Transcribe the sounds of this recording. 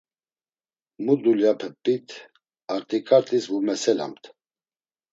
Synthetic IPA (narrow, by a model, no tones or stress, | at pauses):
mud̪uljapʰəpʼːit̪ʰ | aɾt̪ʼikʼaɾt̪ʼisvumɛsɛla̰mt̪ʰ